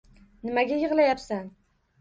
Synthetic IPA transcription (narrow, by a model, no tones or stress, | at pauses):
nɪmaɡʲajɨʁlˠajapsan